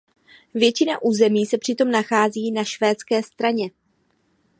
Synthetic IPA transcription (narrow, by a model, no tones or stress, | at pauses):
vjɛt͡ʃɪnaʔuːzɛmiːsɛpr̝̥ɪt̪o̞mnaxaːziːnaʃvɛːt͡skɛːst̪ɾaɲɛ